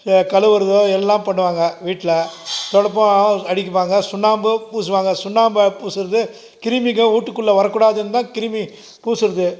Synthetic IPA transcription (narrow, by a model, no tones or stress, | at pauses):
kɐlɯʋɐɾɯðoːɛlːaːmpɐɳːɯʋaːŋɡɐʋiːʈːɪlɐt̪ɔɽɐp̬ːɐ̃ɐɽɪk̬ʲːɯpaːŋɡɐsʊnːaːmbɯpuːsɯʋaːŋɡɐsʊnːaːmbpuːsɯɾɐðɯ | kɪɾɯmɪk̬ːɐ̃uːʈːɯkːʊɭːɐʋɐɾɐkːuːɽaːðɯnt̪ãːkɪɾɯmi | puːsɯɾɐðɯ